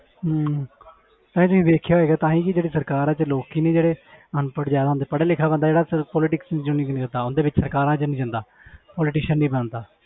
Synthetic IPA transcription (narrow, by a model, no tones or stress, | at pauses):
t̪aːĩːt̪ʊsĩːd̪eːkʰjaːɦoeːɡaːt̪ãːɦĩːkɪd͡ʒeːɽiːsəɾkaːɾãːt͡ʃəloːkiːneːd͡ʒeːɽeːənpəɽzjaːd̪aːond̪eːpəɽeːlɪkʰːaːbə̃nd̪aːd͡ʒeːɽaːsɾpɔːlɪʈɪksd͡ʒʊnĩːknːkəɾd̪aːʊnd̪eːbɪt͡ʃsəɾkaːɾãːt͡ʃənĩːd͡ʒə̃nd̪aː | pɔːlɪʈɪːʃənːĩːbənnd̪aː